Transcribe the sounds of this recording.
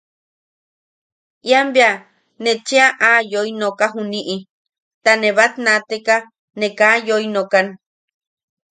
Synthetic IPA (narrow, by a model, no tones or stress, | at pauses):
iambea | net͡ʃeaʔajoinokaɦuniʔi | t̪anẽβat̪nat̪eka | nẽkajoinokan